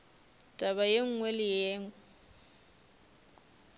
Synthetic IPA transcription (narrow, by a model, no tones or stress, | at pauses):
tʼaβajeŋ̩ŋwɛlɪjeːŋɛ